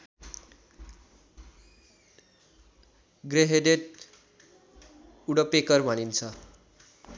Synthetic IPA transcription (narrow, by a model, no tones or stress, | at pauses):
ɡreɦed̪eʈ̪̚ | uɽʌpekʌrbʱʌnint͡sʰʌ